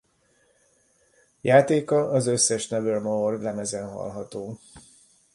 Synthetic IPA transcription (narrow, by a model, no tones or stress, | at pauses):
jaːt̪eːkɒʔɒzø̞sːɛʃnɛvølmoorlɛmɛzɛnɦɒ̰lɦɒt̪oː